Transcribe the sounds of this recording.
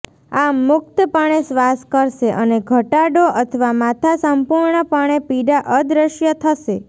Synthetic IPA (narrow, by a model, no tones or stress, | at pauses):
amːʊk̚t̪əpəɳ̃esʋaskəɾʃeʔəneɡʱəʈaɖoʔət̪ʰəʋamat̪ʰasəmpuɾɳəpəɳ̃epiɖaʔəd̪ɾəʃjət̪ʰəʃe